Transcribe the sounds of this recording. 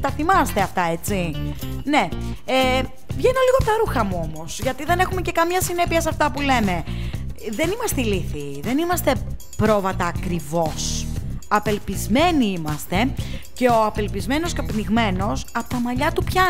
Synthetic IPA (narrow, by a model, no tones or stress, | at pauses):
t̪ɐθimɐst̪e̞ɐft̪ɐe̞t͡sine̞e | vʝeno̞liɣopt̪ɐɾuxɐmuo̞mo̞sʝɐt̪iðe̞ne̞xumece̞kɐmɲɐsine̞piɐsɐft̪ɐpule̞me̞ | ðe̞nimɐst̪eiliθi | ðe̞nimɐst̪e̞ | pɾo̞vɐt̪ɐːkɾivo̞sɐpe̞lpizme̞niimɐst̪e̞ce̞o̞ɐpe̞lpizme̞no̞skɐpniɣme̞no̞sɐpot̪ɐmɐʎɐt̪upçɐ